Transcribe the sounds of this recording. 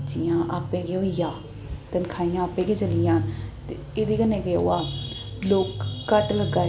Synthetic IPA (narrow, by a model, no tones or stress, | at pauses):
t͡ʃijãːʔaːpẽːɡeojãː | t̪ənkʰaːijãːaːpẽːɡeːt͡ʃəlijãːt̪e | eːd̪iːkənẽːɡeo̰ːaː | loːkːəʈləɡaː